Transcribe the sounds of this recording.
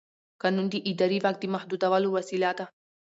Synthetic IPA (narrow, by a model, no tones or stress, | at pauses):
kɐnːund̪iʔid̪ɐɾiʋak̚t̪imɐhd̪ud̪ɐʋaːluʋɐsilaːt̪a